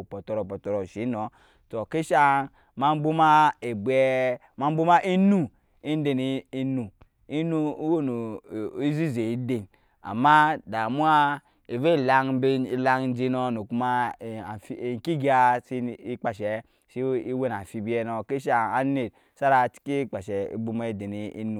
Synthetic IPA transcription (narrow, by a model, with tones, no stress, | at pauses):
po˨tɔ˨ɾɔ˨pɔ˨tɔ˨ɾɔ˨ʃi˨˦no˨˦ | to˨ke˦ʃa˦˨ | ma˦m˦bu˦ma˦e˨bɛ˦ | ma˦m˦bu˦ma˦ʔi˦nu˦ | i˦n˦de˨n˦i˦nu˨ | i˦nu˦wo˦no˨i˦zi˦ze˨i˦de˨n | a̰˨mːa˦da˨mu˦a˦ | i˨ve˦˨la˦ŋ˦be˦i˦la˦ŋ˦n̩˦d͡ʒi˦no˦no˨ku˦ma˦˨fi˦˨ŋ˨ki˦ɡa˦si˦i˦k͡pa˨ʃɛ˨ | si˦i˦we˦˨n˨a˨fi˦bi˦ɛ˦no˨ke˦ʃ̬a˦˨a˦ne˨t̚ | sa˦ɾa˨ti̥˦ki˦k͡pa˨ʃɛ˨ḭ˦bu˦ma˦˨de˨ni˨ḭ˦nu˨